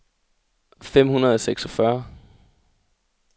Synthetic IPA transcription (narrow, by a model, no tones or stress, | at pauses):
fem̰hunɐð̞ˠɒseɡ̥sɒfɶɐ